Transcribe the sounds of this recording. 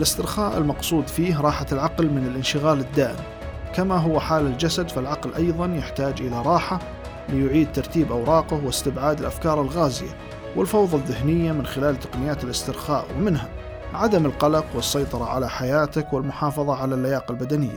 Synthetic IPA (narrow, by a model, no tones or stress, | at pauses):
ʔalɪst̪ɪɾxaːʔɪ̰lmɑqsˤuːd̪fiːɦɾˤɑːħalʕɑqlmɪnɪlʔɪnʃɪɣaːlɪd̪ːaːʔɪ̰m | kamaɦʊwaħaːlald͡ʒasad̪falʕɑqlʔɑjðˤɑnjɪħt̪aːd͡ʒʔɪlaɾˤɑːħa | lɪjʊʕiːd̪̚t̪ɑɾˤt̪iːbʔawɾˤɑːqɪhwɪst̪ɪbʕaːd̪ɪlʔafkɑːɾˤɪlɣaːzɪja̰ | wɪlfɑwðˤɑðːɪhnɪjːamɪnxɪlaːlt̪ḁqnɪjaːt̪ɪlɪst̪ɪɾxaːʔwmɪnɦa | ʕad̪amɪlqɑlɑqwɨsˤːɑjt̪ˤɑɾˤɑʕa̰laħajaːt̪ɪkwɪlmʊħɑːfɑðˤɑʕalalːajaːqɪlbad̪anɪjːa̰